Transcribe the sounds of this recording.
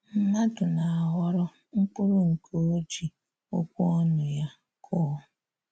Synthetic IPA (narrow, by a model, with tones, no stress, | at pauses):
m̩˦ma˦tʊ˨na˨a˨ɦɔ˦ɾɔ˦ | ŋ̩˦k͡pʊ˦ɾʊ˦ŋ̩˨kʰo˦o˦d͡ʒi˨ | o˦kʷu˦ɔ˦nʊ˨ja˦ | kʰɔː˦